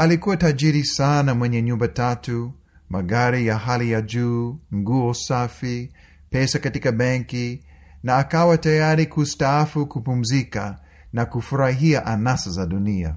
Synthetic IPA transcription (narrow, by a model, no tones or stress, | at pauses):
alikuwatad͡ʒiɾisanamwɛɲɛɲumbatatu | maɡaɾijaɦalijad͡ʒuːŋɡuɔsafi | pɛsakatikaɓɛŋki | naːkawatajaɾikustaafukupum̩zika | nakufuɾaɦiaʔanasazaɗunia̰